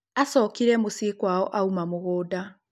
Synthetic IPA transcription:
asɔːkiɾɛmosekwaɔʔaumamoɣoːda

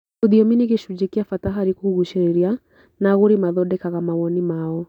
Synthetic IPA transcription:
oðiɔminiɣeʃud͡ʒekiafataɦaɾikuɣuʃeɾeɾia | naɣoɾimaðɔdɛkaɣamawɔnimaɔ

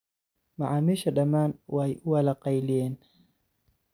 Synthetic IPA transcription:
maʕamiʃaɗamaːnwajʔuwalaqajlijen

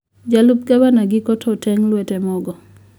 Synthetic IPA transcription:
d͡ʒalup̚ɡabanaɡɪkɔtʰɔtɛŋlwɛtɛmɔɡɔ

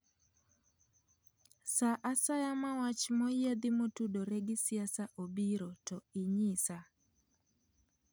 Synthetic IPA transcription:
saʔasajamawat͡ʃmɔjed̪ɪmotudoɾɛɡɪsɪasaʔobiɾotɔɪɲɪsa

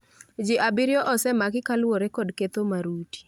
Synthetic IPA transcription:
d͡ʒɪʔabɪɾjɔʔɔsɛmakɪkalwoɾekɔdket̪omaɾuti̥

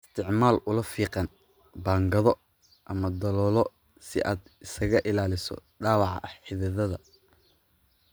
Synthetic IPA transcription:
ɪst̪ʰɪʕmaːlʔʊlɐfiːqɑn | baːŋɡɐðɔ | ʔɐmɐd̪ɐlɔːlɔ | sɪ̰ʔaːd̪ɪsɐɣɐʔɪlaːlɪsɔ̰ɖaːwɑʕɑ̰ʔɐħɪðɐðɐðɐ

